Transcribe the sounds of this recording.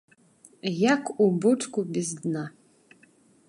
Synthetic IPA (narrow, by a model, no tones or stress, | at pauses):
jakʰubɨʈ͡ʂkʼubʲizd̪na